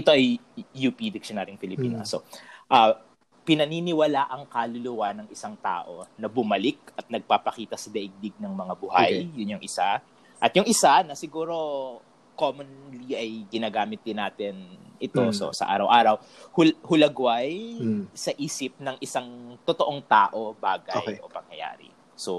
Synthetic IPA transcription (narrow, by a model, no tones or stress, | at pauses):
ʔɪt̪o̞ʔɐj | jupid̪ɪk̚ʃonaːɾjʊŋpɪlɪpiːnɐ̰soʔa | pɪnɐniːnɪwɐlaːʔɐŋkaːlʊlʊwanɐŋʔɪsaŋt̪a̰ːʔo̞nɐbʊmɐlɪk̚ɐt̪̚nɐɡ̚paːpɐkiːt̪ɐsɐd̪ɐʔɪɡ̚d̪ɪɡ̚nɐŋmɐŋabʊha̰jjʊnjʊŋʔɪsa | ʔɐt̪jʊŋʔɪsanɐsɪɡuːɾo̞ | komonliʔɐjɡɪnaːɡaːmɪt̪̚d̪ɪnaːt̪ɪnʔɪt̪oso̰sɐ̰ʔa̰ːɾɐwʔaːɾɐwhʊlhʊlɐɡwajsɐʔiːsɪp̚nɐŋʔɪsaŋt̪ot̪oʔoŋt̪a̰ːʔo̞baːɡɐjʔo̞pɐŋjɐ̰ja̰ːɾɪ̰ | so